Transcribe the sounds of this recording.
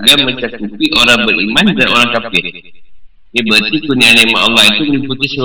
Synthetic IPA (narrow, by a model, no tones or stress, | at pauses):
ɡamət͡ʃakupiʔoɾaŋbərḭmandaʔoɾaŋkafɪr | jabət̪ikunianemaʔɔlːɑhit̪umliput̪ɪs